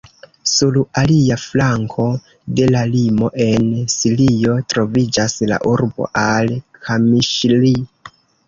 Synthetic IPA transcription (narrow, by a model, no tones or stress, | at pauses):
sulaliaflaŋkʰo̞ | de̞lalimo̞ʔe̞nsilio̞tɾo̞vid͡ʒasla̰ʔuɾbo̞̰ʔalkʰamiʃli